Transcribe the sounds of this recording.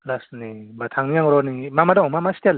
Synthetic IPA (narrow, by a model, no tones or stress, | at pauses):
lasnibatʰaŋnijaŋɾɔnimamadaɔŋmamastʰel